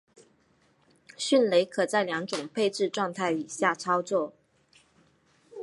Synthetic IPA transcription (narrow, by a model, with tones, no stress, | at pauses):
ɕy˥˨nle˧˥ɪkʰɤ˨˩t͡sa˥˩ɪljɑ˧˥ŋʈ͡ʂʊ˨˩ŋpʰe˥˧ɪʈ͡ʂɻ̩˥˧ʈ͡ʂwɑ˥˧ŋt̪ʰa˥˩ɪi˨˩ɕja˥˩ʈ͡ʂʰɑ˥ʊt͡swɔ˥˩